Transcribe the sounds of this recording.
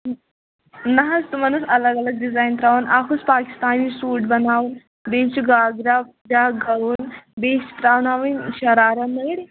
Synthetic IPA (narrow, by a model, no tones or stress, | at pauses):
nɐɦast̪umɐnusɐləɡɐləɡ̚ɖizaːjnt̪ɾaːʋunʔakʰuspaːki̥st̪aːniːsuːʈbɐnaːʋun | beːt͡ʃuɡaːɡɾa | daɡaʋunbeːst̪ɾaːʋnaʋinɕɐɾaːɾanəɽi